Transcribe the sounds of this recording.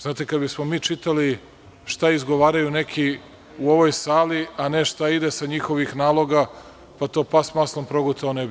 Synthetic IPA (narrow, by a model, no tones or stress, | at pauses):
zaːt̪ekad̪bismomiːt͡ʃit̪ali | ʃt̪aizɡo̞ʋaːɾajune̞kʰi | uoʋo̞jsaːliane̞ʃt̪aid̪esaɲixo̞ʋixnaːlˠo̞ɡa | pat̪o̞ːpasmaslˠompɾo̞ɡot̪aoneb